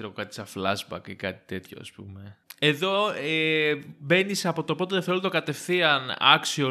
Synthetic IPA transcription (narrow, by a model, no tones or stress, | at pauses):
eɾoɣokɐt̪i̥sɐflɐzbɐ̰kikɐt̪i̥t̪e̞t̪ço̞̰ɐ̰spṵme̞eðo̞ebe̞nisɐpo̞t̪o̞po̞t̪eðeθelnt̪o̞kɐt̪e̞fθiɐnɐ̰ksio